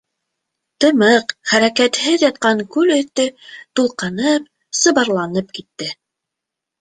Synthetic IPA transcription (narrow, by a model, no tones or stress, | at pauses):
t̪ɤ̆mɤqχæɾækæt̪hɘðjɑt̪̚qɑŋkʉlɵ̆θt̪ɵt̪ulˠqɤnɤp̚ | sɤ̆βɑɾlˠɑnɤp̚kit̪ːɘ